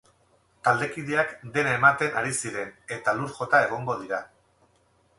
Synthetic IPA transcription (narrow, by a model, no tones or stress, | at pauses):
t̪ald̪e̞kiðeakd̪e̞naemat̪e̞naɾisiɾe̞ne̞t̪aluɾʝo̞t̪ae̞ɣ̞o̞ŋɡo̞ð̞iɾa